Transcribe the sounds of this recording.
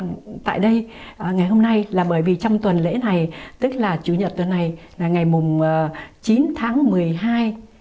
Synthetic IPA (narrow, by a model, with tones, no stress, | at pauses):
t̪a̰ː˧˨jɗə˧jŋa˨˩jho˧mna˧jlaː˨˩ɓəː˧˩jvi˨˩t͡ɕɔ˧wŋ͡mt̪wə˨˩nlḛ˧˥na˨˩jt̪ɨ˦˥k̚laː˨˩t͡ɕu˧˩ɲə˨˩t̚t̪wə˨˩nːa˨˩jlaː˨˩ŋa˨˩jmʊ˨˩ŋ͡mt͡ɕi˨˦nt̪ʰaː˨˦ŋmɨ˨˩əjɦaː˧j